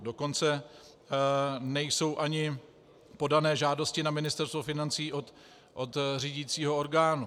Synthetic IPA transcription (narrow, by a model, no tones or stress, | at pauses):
do̞ko̞nt͡sɛ | nɛjso̞wʔaɲɪ | po̞danɛːʒaːdo̞scɪnamɪnɪst̪ɛɾst̪vofɪnant͡siːʔot̪ | ʔot̪riːɟit͡siːɦo̞oɾɡaːnu